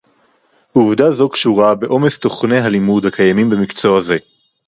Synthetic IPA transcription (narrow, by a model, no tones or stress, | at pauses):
ʔuvdazo̞kʃuʁabe̞ʔo̞mest̪o̞χne̞ɦalimudhakajamimbe̞mikt͡so̞aze̞